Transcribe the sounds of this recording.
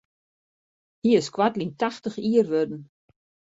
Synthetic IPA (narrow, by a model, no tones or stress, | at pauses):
hiɪskwatlintaxtəxiərʋødn̩